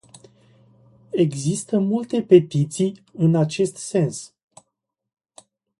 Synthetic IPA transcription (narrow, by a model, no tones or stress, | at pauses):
e̞ɡzist̪əmult̪e̞pe̞t̪it̪sijɨnat͡ʃe̞st̪se̞ns